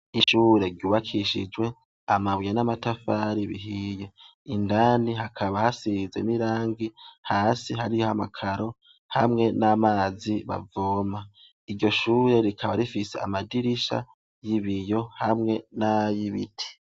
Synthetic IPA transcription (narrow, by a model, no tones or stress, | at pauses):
iʃuːɾe̞ɾɟuːβakʰiʃḭd͡ʒwe̞ | amaβujanamatafaːɾiβḭɦije̞ | indaːnihakʰaβahasize̞̰niɾaːŋɡihaːsihaɾijohamakʰaɾo̞ | hamŋe̞namaːziβa̰voːma | iɾɟo̞ʃuːɾe̞ɾikʰaβaɾifise̞a̰madiɾiʃa̰ | jiβijo̞hamŋe̞najiβḭtʰi̥